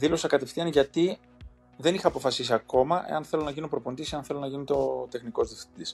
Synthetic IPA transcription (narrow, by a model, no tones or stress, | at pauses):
ðilo̞sɐkɐt̪e̞fθiɐnʝɐt̪i | ðe̞nixɐːpo̞fɐsis̬iɐko̞mɐʔe̞̰ɐnθe̞lo̞nɐʝino̞pɾo̞pond̪isiɐnθe̞lo̞nɐʝinit̪o̞t̪e̞xniko̞zðifθid̪is